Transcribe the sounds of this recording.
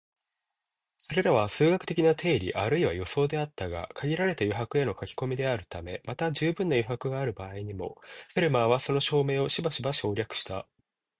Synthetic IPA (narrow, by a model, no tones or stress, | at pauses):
so̞ɾe̞ɾaβasɨːɡakɯ̥t̪ekʲinat̪ʰe̞ːɾʲḭʔaɾɯ̟iβajo̞so̞ːd̪e̞at̪ːaɡa̰kʰaɡʲiɾaɾe̞t̪ajoɦakɯ̟e̞no̞kakʲi̥ko̞mʲid̪e̞aɾɯ̟t̪ame̞mat̪aʑɨːbɯ̃nːajiɦakɯ̟ɡaːɾɯ̟baːiɲ̟imo̞̰ɸeɾɯ̟maβ̞aso̞no̞ɕo̞ːme̞ːo̞ɕibaɕibaɕo̞ːɾʲakɯ̟̥ɕi̥t̪a̰